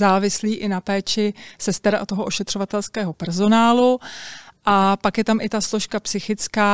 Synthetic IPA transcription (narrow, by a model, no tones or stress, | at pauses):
aːvɪsliːʔɪnapɛːt͡ʃɪsɛst̪ɛɾaʔat̪o̞ɦoʔoʃɛt̪r̥o̞vat̪ɛlskɛːɦopɛɾzo̞naːlu | ʔapakjɛt̪amʔɪt̪asloʃkapsɪxɪt͡skaː